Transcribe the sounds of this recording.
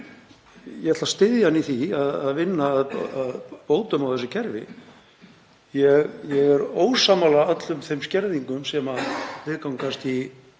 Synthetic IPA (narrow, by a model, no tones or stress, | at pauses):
jɛɛt̪last̪ɪðjaniθiaðaðvɪnːaːðaðpoːwt̪ʏmawθɛsʏcʰɛɾvɪ̰ | jɛɣjɛɣɛɾoːwsaːmalaœt̪lʏmθejmscɛɾðiŋkʏmsɛmalɪðkawŋkast̪i